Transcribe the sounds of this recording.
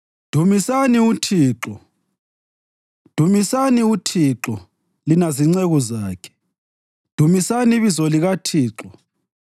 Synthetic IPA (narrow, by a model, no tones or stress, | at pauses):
d̥ʱumisaniutʰiːǁɔ | d̥ʱumisaniutʰiǁɔ | linaziŋ͡ǀɛɣɔzaːkʰɛ̥ | d̥ʱumisaniβizɔliɣatʰiːǁɔ